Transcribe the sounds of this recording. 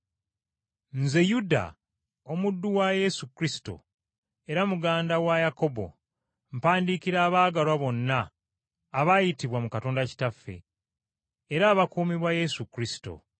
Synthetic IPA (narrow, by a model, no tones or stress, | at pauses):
nze̞juda̰ | o̞mudːuwaje̞sukɾisi̥to̞̰ | e̞ɾamuɡaːndawajako̞bo̞̰ | mpaːndiːkiɾaːβaːɡalwaβo̞nːaː | βajitiβwamukato̞ːndaci̥tafːe̞̰ | ɾaːβakuːmiβwaje̞sukɾisi̥to̞̰